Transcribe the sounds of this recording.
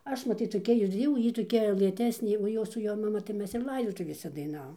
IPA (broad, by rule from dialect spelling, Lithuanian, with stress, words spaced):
ˈɐʃ mɐˈtʲiːt toːˈkʲɛ ɪr ˈjɛʊ ˈjiː toːˈkʲɛ lˠɘˈtʲæːsʲnʲeː oː ˈjoːs sʊ ˈjoː mɐˈmɐ ɪr ˈlˠɐɪdoːtʊʋʲeːsʲɛ dɐɪˈnɑːʋoːm